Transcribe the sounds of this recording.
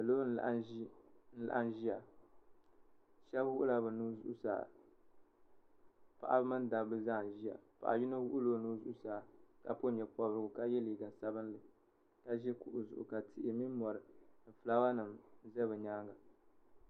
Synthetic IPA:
a˨loː˦n˦la̰˨ʔn̩˦la̰˨ʔa˦n˦ʒi˦ja˨ | ʃɛ˦bwʊ˦ʔʊ˦la˦bɨ˨nuː˦zṵ˦ʔu˦sa̰ː˨ | pa˨ʔa̰˨bɨ˦mɨ˦n˦da˨blɨ˦za˦˨ʒi˦ja̰˨pa̰˨ʔa̰˨ji˦no˦wʊ˦ʔu˦loː˦nuː˦zu˦ʔʊ˦saː˨ka˨po˦ɲɛ˨pɔ˨bɾɨ˨ɡʊ˨ka˦jɛ˦liː˨ɡa˨sa˦bɨ˦n˦lɨ˨ | ka˦ʒɛ˦ku˨ʔʊ˨zʊ̰˨ʔʊ̰˨ka˨tʰɪ˨ʔɪ˨mi˦mɔ˨ɾɨ˨n̩˨fla˦ba˦nɨ˨mzɛ˦bɨ˨ɲaː˦ŋɡa˨

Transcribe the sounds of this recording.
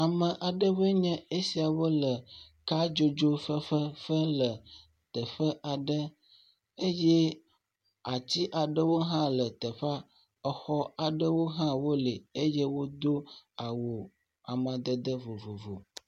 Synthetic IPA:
a˨mə̃˨ʔa˨ɖə˦βə˦ɲɛ̃˦e˦si˨a˨wo˦lə˨ | ka˦d͡ʒo˦d͡ʒo˦fə˦ɸə˦fə˦lə˨ | t̪ə˨ɸə˦ʔa˨ɖə˦ | e˦jɛ˦ | a˨t͡ɕi˦ʔa˨ɖə˦wo˦ɦã˦lə˨t̪ə˨ɸa˦ | ə˨xɔ˦a˨ɖə˦wo˦ɦã˦wo˦le˨e˦je˦wo˦d̪o˦a˨wo˨ | a˨mã˨d̪ə˨d̪ə˦vo˨vo˨vo˨

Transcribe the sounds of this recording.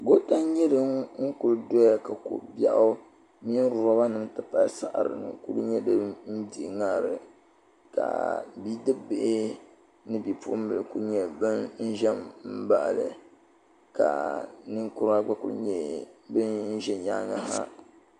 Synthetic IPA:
ɡo˦ta˦ɲɛ˦dɨ˦mŋ̩˦ku˨ldo˦ja˦ka˨ko̰˨bja˦ʔʊ˦ | mi˦n˦ɾʊ˨a˦ba˦nɨ˦mtɨ˦pa˦sa˦ʔɾɨ̰˨nɨ̰˨ku˦ɾu˦ɲɛ˦dɨ˦n̩˦di˨ŋa˦˨ɾɨ˨ | ka̰˨bi˦dɨ˦bɨ˦ʔɪ˦ | nɨ˦bi˨pṵ˦m˦bɨ˨lɨ˨ku˦ɲɛ˨bɨ˦nn̩˦ʒɛ˦mm̩˦ba˦ʔlɨ˨ | ka̰˨nɨ˦ŋku˦ɾa˦ɡ͡ba˦kṵ˦l̰ɲɛ˦˨bɨ˦nn˦ʒɛ˦ɲa̰˦˨ŋa˦ɦa̰˦

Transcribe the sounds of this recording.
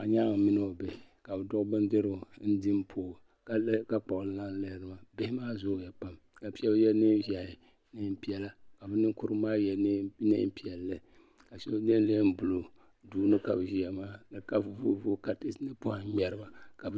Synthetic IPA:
a˨ɲa˦ŋ˨mɪ˦n˦o˨be˨hɪ˨ka˨bɨ˨dʊ˦ɣbɨ˦ndɨ˦ɾɨ˨n̩˦dɪ˦mpʰoː˨ | ka˦lka˦k͡pa˨ʔlɨ˦la˦n˦le˦hɪ˦ɾɨ˦ma˨be˦hɪ˦maː˦zʊ˦˨ja˨pa˦m | ka˨pi˦ɛ˦bjɛ˦nɨ˦va˨hɪ˨ | nɨ˦m˦pi˦ɛ˦la˦ka˨bɨ˦nɨ˦ŋkʊ˦ɾɨ˦maː˦jɛ˨˦nɨ̰˦m˦pi˦ɛ˨lːɨ˦ | ka˨ʃo˦nɨ˦n˦le˦hm˦bʊ˨lo˨ | duː˦nɨ˦ka˨bɨ˨ʒi˦jɛ˨maː˦nɨ˨ka˦˨vu˨vṵ˦vu˦ka˨tɪ˦snɨ˦pʊ˦ha˨˦ɲɛ˨ɾɨ˦ba˦ka˨b

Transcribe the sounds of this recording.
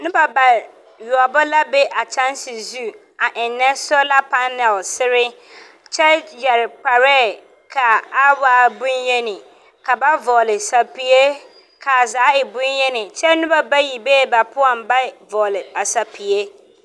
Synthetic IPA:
nʊ̃˦ba˨ba˨ | ɥi˨ɔ˨bɔ˦la˦bɛ˦ʔa˨t͡ɕʰã˦n˦sɪ˨zu˦ | a˨ʔɪ˨nnːɛ̃˦sɔ˦la˦pʰa˦nɛ˨lsɪ˦ɾɪ˦ | t͡ɕʰɛ˦jɛ˨ɾɪ˨k͡pʰa˨ɾɛ˦ | kʰa˨a˦wa˨bũ˦jɛ˦nɪ̃˨ | kʰa˨ba˦vɔ˨lɪ˨sa˨pi˦e˦ | kʰa˨zaː˨˦ɪ˨bʊ̃˦njɛ˦nɪ̃˨t͡ɕʰɛ˦nʊ̃˦ba˨ba˦ji˨beː˦˨ba˨pʰʊ˦a˨m˨˦ba˦vɔ˨lɪ˨a˨sa˨pʰi˨e˦

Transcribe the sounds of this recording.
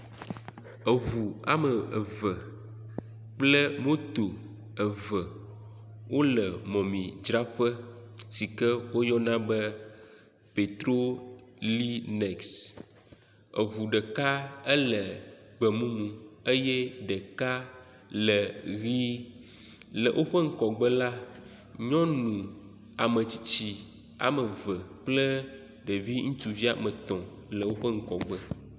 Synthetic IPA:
ə˨vu˨a̰˨mə˨ə˨və˨ | k͡plə˦mõ˦t̪o˨ | ə˨və˨ | wʔo˦lə˨mɔ̃˨mĩ˨d͡ʒɾa˦ɸə˦si˨kɛ˦wo˦jɔ˦nã˦bə˦ | pe˨t̪ɾo˦li˦nɛ˨ks | ə̰˨vu˨ɖə˨ka˦ə˦lə˨ɡ͡bə˨mũ˦mũ˨e˦jɛ˦ɖə˨ka˦ | lə˨ɣi˦ | lə̰˨ʔo˦ɸə˦ŋ̩˦kɔ˨ɡ͡bə˦la˦ | ɲɔ̃˦nũ˨ | a˨mə̃˨t͡ɕi̥˨t͡ɕi˦ | a̰˨mə˨və˨k͡plə˦ | ɖə˨vi˦ŋũ˦t̪u˨vi˦a˨mə̃˨t̪ɔ̃˨ | lə˨wo˦ɸə˦ŋ̩˦kɔ˨ɡ͡bə˦

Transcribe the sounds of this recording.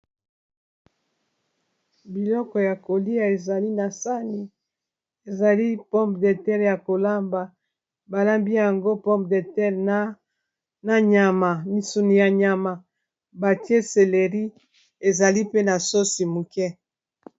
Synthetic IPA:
bi˨lɔ˦kɔ˨ja˨ko˨li˦a˨e˨za˨li˦na˨sa˦ni˨ | e˨za˨li˦pɔ˦mpde˨tɛ˦ʁja˨ko˨la˦mba˨ | ba˨la˦mbi˦ja˨ŋɡo˦pɔ˦mp̚de˨tɛ˦ʁ | na˨ɲa˨ma˨mi˨su˨ni˨ja˨ɲa˨ma˨ | ba˨tje˦se˨le˨ʁi˦ | e˨za˨li˦pe˦na˨so˦si˨mu˨kɛ˦

